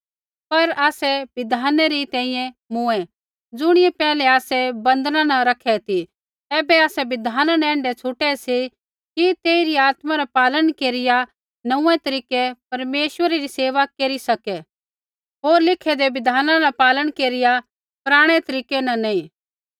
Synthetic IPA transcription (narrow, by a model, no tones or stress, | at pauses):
pɐɾaːsɛʋɪd̪ʱaːnɛɾit̪ɛ̃ːĩjɛ̃ | mʊ̃ɛ | d͡zʊɽ̃ɪjɛpɛːlɛaːsɛbɐ̃nd̪nãnɐ̃ɾɐkʰɛt̪ʰi | ɛːbɛaːsɛʋɪd̪ʱaːnanɛ̃ːɳɖɛt͡ʃʰʊʈɛsi | kit̪eːiɾiaːt̪maɾapaːləɽ̃keːɾɪja | nɐũɛ̃t̪ɐɾiːkɛpɐɾmeːʃʋəɾeɾiseːʋakeːɾisɐkɛ | ɦoːɾlɪkʰɛd̪eʋɪd̪ʱaːnãnapaːləɽ̃keːɾɪja | pɾaːɽ̃ɛt̪ɐɾiːkɛnɐ̃nɐĩː